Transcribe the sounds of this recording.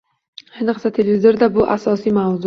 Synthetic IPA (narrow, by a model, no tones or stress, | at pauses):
hɪnɨqsat̪ʰelvɪzoɾd̪abʊʔasɒsijmawzʊ